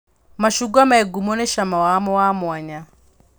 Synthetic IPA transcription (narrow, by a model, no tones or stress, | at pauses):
maʃuɡamaɛɡumɔnɛʃamawamɔwamaɲa